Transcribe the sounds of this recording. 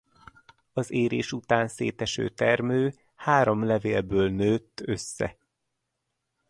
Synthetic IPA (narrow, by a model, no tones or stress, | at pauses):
ɒzeːɾḛːʃut̪aːnsḛːt̪ɛʃø̰ːt̪ɛrmøː | haːɾo̞mlɛveːlbøːlnøːt̪ːøsːɛ̰